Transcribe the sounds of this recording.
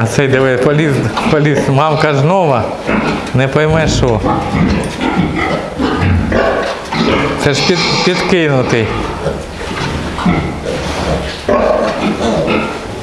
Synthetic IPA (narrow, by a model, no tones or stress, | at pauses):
ɐt̪sɛjd̪ɛʋɛpɔlʲizpɔlʲismɑmkɐznɔʋɐ | nɛpɔjmɛʃɔ | t̪sɛʃpʲipʲid̪kɪnʊt̪ɪj